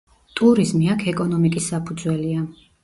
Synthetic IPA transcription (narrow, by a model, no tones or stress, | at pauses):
t̪ʼuɾizmiakʰɛkʼɔnɔmikʼisːapʰud̪zwɛlia